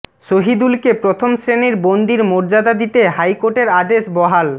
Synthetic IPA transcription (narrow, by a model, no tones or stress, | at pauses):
ʃoɦid̪ulkepɾot̪ʰomsɾeniɾbond̪iɾmoɾd͡ʑad̪ad̪it̪eɦajkoɾʈeɾad̪eʃbɔɦal